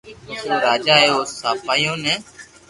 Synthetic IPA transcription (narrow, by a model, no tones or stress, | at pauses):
soːɾaːd͡ʒaːɦeːoːsaːpaːjõːnɛ̃ː